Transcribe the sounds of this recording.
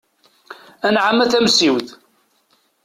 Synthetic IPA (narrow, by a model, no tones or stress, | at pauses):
ænʕamːæθæmsiwð